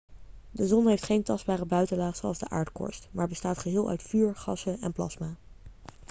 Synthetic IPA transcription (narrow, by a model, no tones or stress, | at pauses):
dəzɔnɦejftχejntɑsd̚baːrəbœɥtəlaːχsoɑlˠzdəʔa̰ːɹtkɔ̰ɹstmaːɹbəstaːtχəɦɪːlˠʔœ̰ɥtfyːɹχɑsəʔɛ̰nplɑ̰smaː